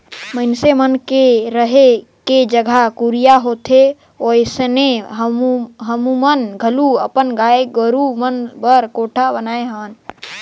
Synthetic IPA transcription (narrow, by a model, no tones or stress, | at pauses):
məɪnsemənkeɾəɦe | ked͡ʒəɡʱakuɾijaɦot̪ʰe | ojsəneɦəmuɦəmumənɡʱəluəpənɡaeɡəɾumənbəɾkoʈʰabənaeɦən